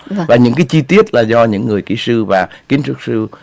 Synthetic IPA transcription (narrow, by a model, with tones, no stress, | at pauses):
vaː˨˩ɲɨ̰˧˥ŋkaː˨˦jt͡ɕi˧t̪i˦˥ət̚laː˨˩zɔ˧ɲɨ̰˧˥ŋːɨ˨˩əjkḭ˧˩˦sɨ˧vaː˨˩ki˨˦nt͡ɕɨ˦˥ək̚sɨ˧